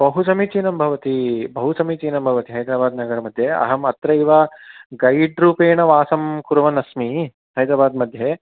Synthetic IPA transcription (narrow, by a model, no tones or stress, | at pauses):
bɐɦusɐmit͡ʃiːnɐmbʱɐʋɐt̪ibɐɦusɐmit͡ʃiːnɐmbʱɐʋɐt̪iɦɐjd̪ɾaːbaːd̪nɐɡɐɾɐmɐd̪ʱjeɐ̰ɦɐmɐt̪ɾɐiʋaɡɐjɖɾuːpeːɳɐʋaːsɐmkuɾʋɐnɐsmi | ɦɐjd̪ɾaːbaːd̪mɐd̪ʱjeː